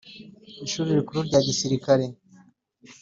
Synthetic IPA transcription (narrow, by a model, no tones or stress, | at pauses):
iʃuːɾiɾikuɾuɾɟaːɟisiɾikaɾe